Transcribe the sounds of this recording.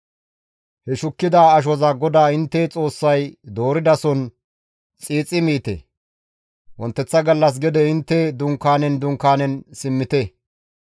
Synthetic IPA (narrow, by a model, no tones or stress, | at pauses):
hɛʃʊkːɪd̪aːɐʃ̬ɔzɐɡɔd̪aːɪnt̪ːɛt͡sʼo̞ːsːɐjd̪o̞ːɾɪd̪ɐsɔn | t͡sʼiːt͡sʼɪmiːt̪ɛ̰ | wɔnt̪ːɛt͡sːɐɡɐlːɐs̬ɡɛd̪ɛɪnt̪ːɛd̪ʊŋkːaːnɛnd̪ʊŋkːaːnɛnsɪmːɪt̪ɛ